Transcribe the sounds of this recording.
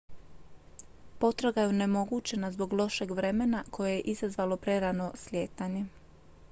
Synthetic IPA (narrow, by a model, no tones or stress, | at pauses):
po̞t̪ɾoɡajeone̞mo̞ɡut͡ʃe̞nazbo̞ɡlˠo̞ʃe̞ɡʋɾemenakʰo̞je̞je̞ʔizazʋalo̞pɾe̞ɾano̞slʲjeːt̪aɲe̞